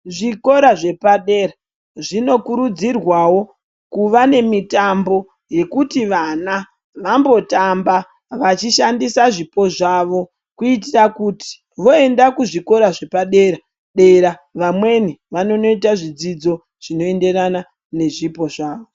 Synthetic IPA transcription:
ʐiko̞ɾaʐe̞paɗe̞ːra | ʐino̞kuɾud͡zirwawo̞ | kuʋane̞mitambo̞ | je̞kutiʋana | ʋambo̞tamba | ʋat͡ʃiʃandisaʐipo̞ʐaʋo̞ | kuitirakuti̥ | ʋo̞e̞ndakuʐiko̞ɾaʐe̞paɗe̞ːɾa | ɗe̞ɾaʋamwe̞niʋano̞no̞itaʐid͡zid͡zo̞ | ʐ̥ino̞ende̞rana | ne̞ʐipo̞ʐaːʋo

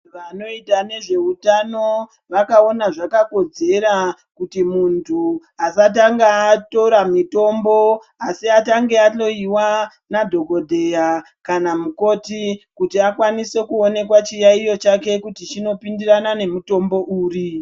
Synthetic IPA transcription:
ʋano̞itane̞ʐe̞utano̞ | ʋakao̞naʐakako̞d͡ze̞ɾa | kutimuntʰu | asat̬aŋɡaːto̞ɾamito̞mbo̞ | asiataŋɡe̞ato̞iwa | nadʱo̞ɡʱo̞dʱe̞ja | kanamuko̞tikutiakwanise̞kuone̞kwat͡ʃijaijo̞t͡ʃake̞kutit͡ʃino̞pindiranane̞muto̞mbo̞ʔuːri

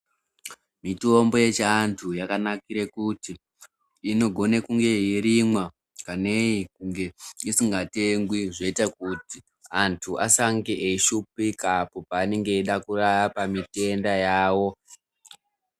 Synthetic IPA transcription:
mito̞mbo̞je̞t͡ʃantʰujakanakiɾekuti | ino̞ɡʱo̞nekuŋɡe̞iɾimwa | kaneikuŋɡe̞isiŋɡateŋɡwiʐeitakuti | antʰuʔasaŋɡeʔeiʃupikapo̞paːne̞ŋɡe̞ːɗakuraapamite̞ndajaːwo̞

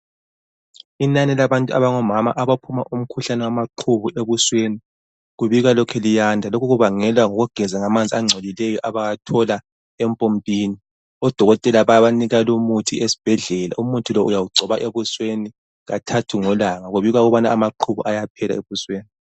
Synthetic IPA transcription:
inanɛlaβantʼua̰βaŋɔmama̰ʔaβapʰumaʔum̩kʰuɬanɛwamaǃʰuβuʔeβusweni | ɣuβiɣalɔkʰɛlijandʱalokʰuɣuβaŋɛlwaŋɔɣuɡ̥ʱɛzaŋamand͡zʱʼiaŋ͡ǀʱolilɛjɔʔaβajatʰɔla | ɛmpʼompʼiːni | ɔd̥ʱɔɣɔtʼɛlaβaβaniɣalumutʰiesi̥b̥ʱɛɮɛla̰ʔumutʰʼilɔʔujawuɡ͡ǀʱɔβaʔeβusweni | ɣatʰatʰuŋɔlaŋaɣuβiɣaɣuβanaːmaǃʰuβṵʔajapʰɛla̰eβusweːni

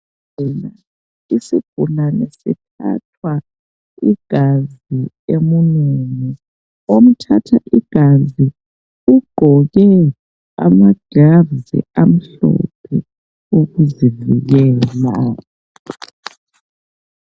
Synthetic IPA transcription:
ɛna | isib̥ʱunanɛsḭtʰa̰tʰwa | iɡ̥ʱazi | emununi | om̩tʰatʰaʔiɡ̥ʱazi | uɡ͡ǃ̥ʱɔɣɛ | a̰maɡ̥ʱavzḭʔam̩ɬɔ̰pʰɛ | oɣuzivḭɣɛːla

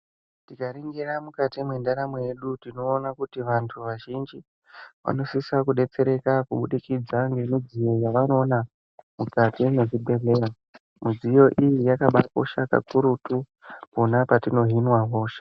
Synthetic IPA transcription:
tikaɾiŋɡiramukatimwe̞ndaɾamoje̞ɗutino̞ːnakutiʋantʰuʋaʒind͡ʒi | ʋa̰no̞sisakuɗe̞t͡se̞ɾe̞kakuɓuɗikid͡zaŋɡe̞mud͡zijo̞jaʋano̞ːna | mukatineʐibe̞leja | mud͡zijo̞ʔijijakaɓako̰ʃaka̰kuɾutu | ponapatino̞ɦinwaɦoːʃe̥

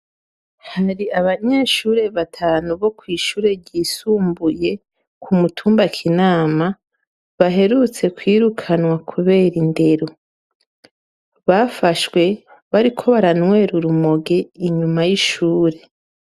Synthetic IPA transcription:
haɾiaβaɲeʃuːɾe̞βatʰaːnuβo̞kwiːʃuːɾe̞ɟiːsuːmbuje̞ | kʰumutʰuːmbakʰinaːma | βaɦe̞ɾut͡se̞kwiːɾukʰanwakʰuβe̞ːɾinde̞ɾo | βafaʃwe̞ | βaɾikʰo̞βaɾanwe̞ːɾuɾumoɡeiɲumajiʃuːɾe̞

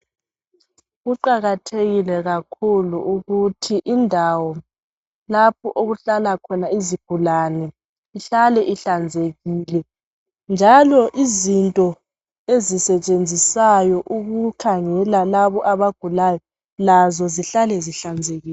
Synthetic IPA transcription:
ɣuǃaɣatʰeɣilɛɣakʰuluuɣutʰiʔindʱawɔ | lap̚ʰɔʔoɣuɬalakʰɔnaiziɡ̥ʱulanɛ | iɬalɛʔiɬand͡zʱeɣiːlɛ | nd͡ʒʱalɔʔizintʼɔ | ezisɛt͡ʃʼend͡zʱisajɔʔuɣukʰaŋɛlalaβɔʔaβaɡ̥ʱulajɔ | lazɔziɬalɛziɬand͡zʱeɣiːlɛ

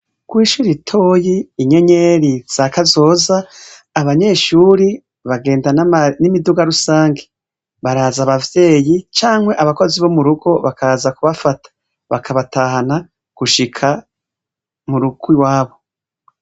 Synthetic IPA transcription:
ɡ̥wiːʃuːɾitʰo̞ːjiːɲe̞ɲe̞ɾiz̥akazo̞ːzaː | βaɲe̞ʃuːɾi | βaɡe̞ːndanimiduɡaɾusaːŋɡe | βaɾaːzaβavje̞ːjit͡ʃaːŋ̥we̞ʔaβako̞ziβo̞muɾuɡo̞βakʰaazakuβafatʰḁ | βakʰaβataːhana | ɡ̥uʃikʰa | muɾuɡwiwaːβo̞

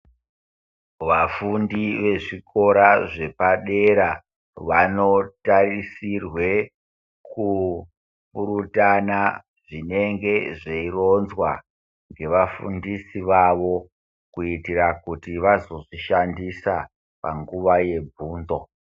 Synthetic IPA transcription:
ʋafundiʋe̞ʐiko̞ɾaʐe̞paɗe̞ɾa | ʋano̞tarisirwe̞ | ku | puɾutana | ʐine̞ŋɡe̞ʐeiro̞nzwa | ŋɡe̞ʋafṵndisiʋaʋo̞ | kuitirakutiʋazo̞ʐiʃandisa | pa̰ŋɡuʋaje̞bʱuːnd͡zo̞

